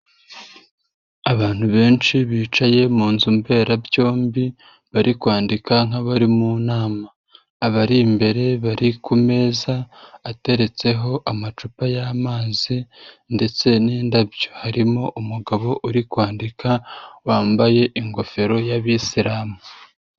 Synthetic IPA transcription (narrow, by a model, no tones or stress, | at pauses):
aβaːn̥huβe̞ːnt͡ʃiβiːt͡ʃaje̞muːnzumbe̞ːɾabjo̞ːmbi | βaɾikwaːndikaŋ̥aβaɾimunaːmaː | βaɾimbe̞ɾe̞βaɾikume̞ːzaːte̞ɾe̞t͡se̞ɦo̞ʔamat͡ʃupajamaːzi | nde̞t͡se̞niːndabjo̥haɾimo̞ʔumuɡaβo̞ʔuɾikwaːndikʰawaːmbaje̞ʔiŋɡo̞fe̞ɾo̞jaβisiɾaːmu